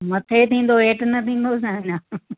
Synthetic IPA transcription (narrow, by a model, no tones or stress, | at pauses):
mɐt̪ʰet̪ĩːn̆d̪oeːʈnɐt̪ʰĩːn̆d̪osãɦna